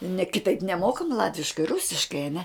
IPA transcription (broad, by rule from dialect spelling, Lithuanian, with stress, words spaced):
nʲɛ kʲɪˈtɐɪp nʲɛˈmoːkɐm ˈlˠɑːtʲʋʲɪʃkɐɪ ˈrʊsʲɪʃkɐɪ ɐˈnʲɛ